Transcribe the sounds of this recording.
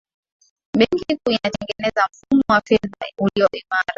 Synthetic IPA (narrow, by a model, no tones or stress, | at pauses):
ɓɛŋkikunatɛŋɡɛnɛzam̩fumɔwafɛðauliɔʔimaɾa